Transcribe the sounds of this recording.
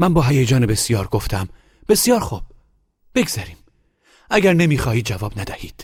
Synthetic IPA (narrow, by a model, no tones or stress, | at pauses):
mænbɒːɦæjed͡ʒɒːnebe̞sijɒːɾɡo̞ft̪ʰæm | b̥e̞sjɒːɾxuːb̥̚ | b̥e̞ɡz̥æɾiːm | æɡæɾne̞miːxɒːhiːd̪̚d͡ʒævɒːbnæd̪æhiːd̪̥